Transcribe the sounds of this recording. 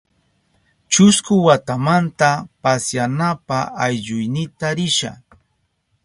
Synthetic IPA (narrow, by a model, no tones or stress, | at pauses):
t͡ʃʊskʊwat̪amant̪apasjanapaajʎʊjnɪt̪aɾɪʃa̰